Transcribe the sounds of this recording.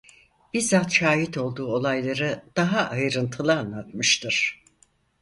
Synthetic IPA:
b̥iɾzat̪ʃaːɦit̪o̞lˠd̪uːo̞lˠajlˠaɾɯd̪̥aɦaʔajɾɯnt̪ʰɯlˠɯanlˠat̪mɯʃt̪ʰɯɾ̥

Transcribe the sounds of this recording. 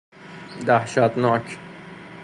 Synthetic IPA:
d̪æhʃæt̪nɒːcʰ

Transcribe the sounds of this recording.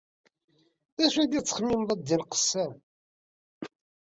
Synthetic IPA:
ðæʃæd̪it͡sːə̥χmːimðˤɑd̪ːilqə̥sːæ

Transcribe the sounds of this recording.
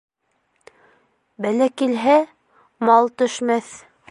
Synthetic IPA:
bælækilɦæ | mɑlˠt̪ɵ̆ʃmæθ

